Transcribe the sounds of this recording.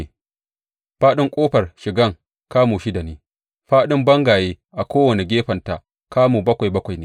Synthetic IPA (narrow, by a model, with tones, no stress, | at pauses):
ɸaː˦ɗɪ˦ŋkʷʼoː˦ɸɐ˨rʃɪ˨ɡɐ˦˨ŋ | kaː˦muː˨ʃi˦da˨neː˦ | ɸaː˦ɗɪ˦mbɐ˦ŋɡaː˨jeː˦ | ʔa˨kʷoː˦wɐ˨ne˨ɡʲeː˦ɸɐ˨nta˨ | kaː˦muː˨bɐ˦kʷa˨jbɐ˦kʷa˨jneː˦˨